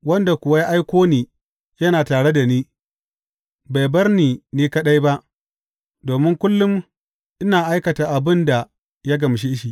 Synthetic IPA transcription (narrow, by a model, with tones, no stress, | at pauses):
wɐ˦nda˨kʷʊ˨wa˦ja˦ʔa˦jkʷoː˦niː˨ | jɐ˦naː˨taː˨ɽe˦da˨niː˦ | ba˨jbɐ˦rniː˨niː˦kɐ˦ɗa˦jba˦ʔ | doː˨mɪ˦ŋkʷʊ˦lːʊ˦m | ʔɪ˦naː˨ʔa˦jkɐ˨taː˨ʔa˨bɪ˦nda˨ | jaː˦ɡɐ˨mʃ̬e˦ʔɪ˦ʃi˨ʔ